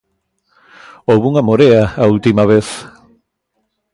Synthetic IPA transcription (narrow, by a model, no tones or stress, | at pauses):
owβuŋamoɾeaault̪imaβ̞eθ